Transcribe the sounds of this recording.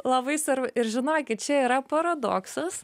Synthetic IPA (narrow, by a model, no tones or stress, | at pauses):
lˠɐbɐɪsɐɾɪɾʒʲɪnoːkʲɪt̪̚t͡ʃʲɛiːɾɐpɐɾɐd̪o̰ːksɐs